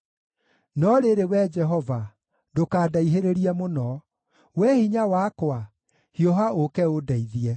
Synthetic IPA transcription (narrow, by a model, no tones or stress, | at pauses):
nɔɾeɾewɛd͡ʒɛɦɔva | dokaːdaiɦeɾeɾiɛmonɔ | wɛhiɲawakwa | hiɔɦaokɛodaiðiɛ